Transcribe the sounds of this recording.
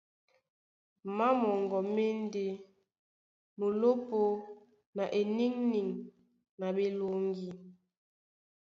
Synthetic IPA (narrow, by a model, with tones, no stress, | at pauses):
ma˦mɔ˨ŋɡɔ˨me˦n˦de˦ | nu˨lo˦po˦ | na˨ʔe˨ni˦ŋni˨ŋ | na˨ɓe˨lo˨ŋɡi˦